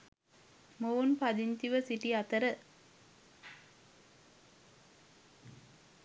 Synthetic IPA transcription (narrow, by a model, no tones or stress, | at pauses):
moːnpɐd̪int̪iʋəsiʈiɐt̪ɐɾə